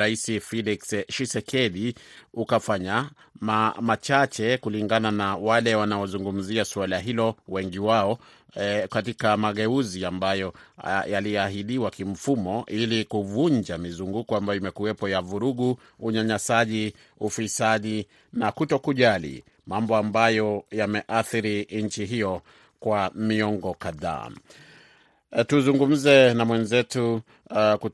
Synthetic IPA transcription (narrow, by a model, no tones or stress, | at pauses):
ɾaisifɛliksʃisɛkʰɛɗiukafaɲa | mamat͡ʃat͡ʃɛkuliŋɡananawalɛwanaɔzuŋɡum̩ziasualaɦilɔwɛŋɡiwaɔ | katikamaɠɛuziambajɔjalijɛaɦiɗiwakim̩fumɔʔilikuvund͡ʒamizuŋɡukɔambajɔimɛkuwɛpɔjavuɾuɠu | uɲaɲasaʄi | ufisaʄi | nakutɔkuʄalḭ | mambɔambajɔjamɛʔaθiɾiɲt͡ʃiɦijɔ | kwamiɔŋɡɔkaða̰ː | tuzuŋɡum̩zɛnamwɛnzɛtu | ku